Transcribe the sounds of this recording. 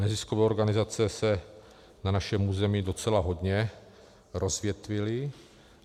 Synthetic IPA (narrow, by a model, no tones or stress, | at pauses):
nɛziskovɛːoɾɡanɪzat͡sɛsɛ | nanaʃɛmuːzɛmiːdo̞t͡sɛlaɦodɲɛ | ɾozvjɛt̪vɪlɪ